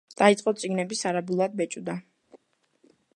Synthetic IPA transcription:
d̪̥ait̪sʼqʼɔt̪sʼiɡnɛbisaɾabulˠad̪̚bɛt͡ʃʼud̪a

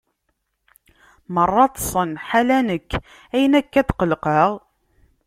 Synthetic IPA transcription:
mərˤːɑt̪ˤsˤənħalænəkː | æjənækːæt̪qəlqəʁ

